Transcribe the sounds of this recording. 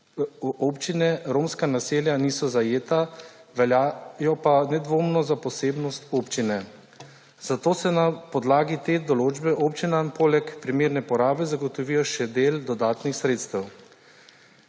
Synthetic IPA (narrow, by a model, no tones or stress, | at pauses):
oːpt͡ʃinɛɾoːmskanaseːljaniːsɔzajeːt̪aʋɛljajɔpanɛd̪ʋoːmnɔzapɔseːbnɔst̪oːpt͡ʃinɛ | z̥at̪oːsɛnapɔd̪laːɡit̪eːd̪ɔloːd͡ʒbɛʔoːpt͡ʃinampoːlɛkpɾimeːɾnɛpɔɾaːbɛzaɡɔt̪ɔʋijɔʃɛd̪eːld̪ɔd̪aːt̪nixsɾeːt̪st̪ɛw